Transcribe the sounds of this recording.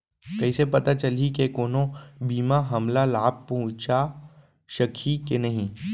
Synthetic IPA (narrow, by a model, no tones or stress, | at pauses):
kɐɦisepɐt̪at͡ʃɐlikekoːnõbiːmaɦɐmlalaːb̚pːɐɦʊ̃t͡ʃa | ʃɐkʰikenɐɦĩ